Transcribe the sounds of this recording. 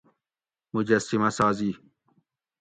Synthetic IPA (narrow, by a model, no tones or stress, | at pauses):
mʊd͡ʒɐsimasaːziː